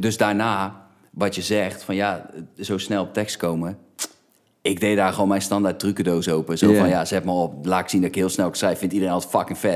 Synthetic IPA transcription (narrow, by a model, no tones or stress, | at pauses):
døzdaːrnaː | ʋɔtjəzɛxtfɔnjazowsnɛlˠɔp̚tɛkstkowmə | ɪɡ̚dejdaːrxoːnmɛjnstɑndart̚rykədowsoːpəsowfɔnjazɛtmaoplaːtɪksindɔtɪkɦiəlˠsnɛlˠsrɛjfɪntidərẽnɔtfɑkɪŋfɛ